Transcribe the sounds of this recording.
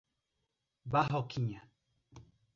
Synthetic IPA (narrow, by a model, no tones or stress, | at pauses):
baɦokʰiɲã